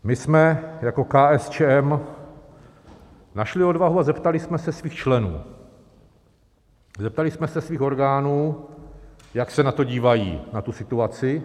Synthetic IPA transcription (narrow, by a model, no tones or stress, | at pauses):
mɪsmɛjako̞kaːʔɛst͡ʃɛɛm | naʃlɪo̞dvaɦuazɛpt̪alɪsmɛsɛsviːxt͡ʃlɛnṵː | zɛp̚t̪alɪsmɛsɛsviːxo̞ɾɡaːnuː | jaksɛnat̪o̞ɟiːvajḭːnat̪usɪt̪uat͡sɪ